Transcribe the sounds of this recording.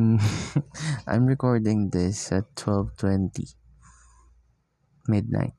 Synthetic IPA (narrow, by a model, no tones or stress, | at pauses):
ʔã̰ɪmɹɛkɔɹdɪ̃ŋd̪ɪsatʰːwɛlvt̪ʰwɛ̃nt̪ḭ | mɪd̚na̰ɪt̪̚